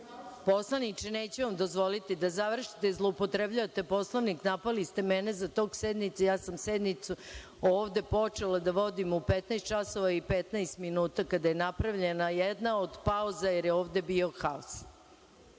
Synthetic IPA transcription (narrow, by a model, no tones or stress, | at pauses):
po̞slˠanit͡ʂeneːt͡ɕuʋamd̪o̞zʋo̞lit̪id̪azaʋr̩ʃi̥t̪ezlˠoupo̞t̪ɾebʎaat̪e̞po̞slˠoʋniknapalist̪emɛnezat̪o̞ːɡsed̪nit̪sejaːsamsed̪nit̪su | oːʋd̪e̞po̞t͡ʂelad̪aʋo̞d̪imupet̪naest̪t͡ʃaso̞ʋaipet̪najst̪minuːt̪akad̪ajenapɾaʋʎe̞najed̪nao̞d̪pauzajeɾjeoːʋd̪e̞bio̞xaos